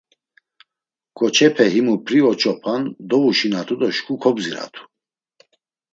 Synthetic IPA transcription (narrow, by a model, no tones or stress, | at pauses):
kʼɔt͡ʃʰɛpʰɛɦimupʰɾiɔt͡ʃʼɔpʰand̪ɔuʃinat̪ʰud̪ɔʃkʰukʰɔbziɾa̰t̪ʰu̥